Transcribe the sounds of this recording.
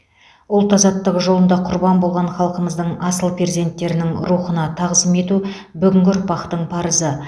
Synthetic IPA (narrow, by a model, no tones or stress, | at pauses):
ʊlˠt̪ɑzɑt̪ːəʁʒo̞lˠənd̪ɑqʰʊɾbɑnbolˠʁɑɴχɑlˠqəməzd̪əɴɑsəlˠpʲʰeɾze̞nt̪ːe̞ɾɪnɪŋɾuχənɑt̪ʰɑʁəzəme̞t̪u | bʏɡʲɪŋɡʲɪɾpɑqt̪əɴpʰɑɾəzə